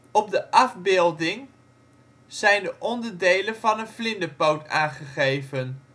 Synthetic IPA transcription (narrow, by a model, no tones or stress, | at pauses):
ɔb̚dəʔɑvbɪːlˠdɪŋ | z̥ɛjndəʔɔndəɹdejlənvɑnənflɪndəpowtaːχəχejvən